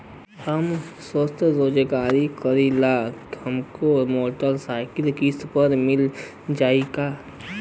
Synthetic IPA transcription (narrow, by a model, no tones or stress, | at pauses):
həmswəst̪ʰɾoːd͡ʒɡaːɾikəɾilahəmkomoːʈəlsaːɪkɪlkispəɾmɪl | d͡ʒaːiɡaː